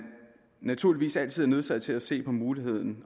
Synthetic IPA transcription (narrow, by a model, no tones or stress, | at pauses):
næt͡sʰuɐ̰liʋḭːsæl̰t͡sʰið̰ˠɐneð̞ˠsæð̥ˠt͡sʰe̝læse̝̰ːpʰɒ̽muːlihe̝ð̞̰ˠn̩